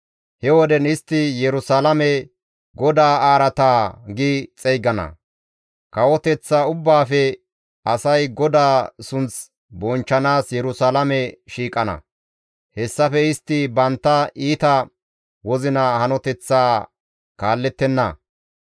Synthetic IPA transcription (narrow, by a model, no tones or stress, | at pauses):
hɛwɔd̪ɛnɪst̪ːɪjɛɾʊsaːlɐmɛ | ɡɔd̪aːaːɾɐt̪aːɡɪt͡sʼɛjɡɐnɐ̰ | kɐwɔt̪ɛt͡sːaʊbːaːfɛ | ɐsɐjɡɔd̪aːsʊnt͡s | bɔnt͡ʃːɐnaːsjɛɾʊsaːlɐmɛʃiːkʼɐnɐ̰ | hɛsːɐfɛɪst̪ːɪbɐnt̪ːɐiːt̪ɐ | wɔzɪnɐhɐnɔt̪ɛt͡sːaː | kaːlːɛt̪ːɛnːɐ̰